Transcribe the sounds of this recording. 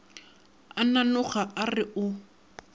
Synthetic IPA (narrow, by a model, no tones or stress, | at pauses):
ananʊχaʔarɪʔʊ